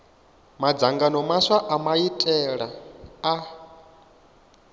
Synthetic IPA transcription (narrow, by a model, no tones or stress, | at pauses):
mad͡zaŋɡanɔmaʂaʔamaitʼɛɺaa